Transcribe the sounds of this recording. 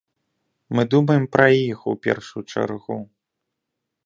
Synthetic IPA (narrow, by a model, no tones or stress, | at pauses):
mɨd̪umɐjɛmpɾɐjixṵpʲɛ̰rʂujt͡ʂa̰rɣu